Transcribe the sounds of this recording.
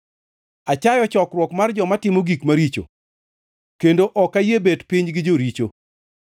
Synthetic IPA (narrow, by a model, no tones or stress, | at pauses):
at͡ʃajɔt͡ʃɔkrwɔkmard͡ʒɔmatɪmoɡikmaɾit͡ʃo̰ | kendoʔɔkajebedpiɲɡɪd͡ʒoɾit͡ʃo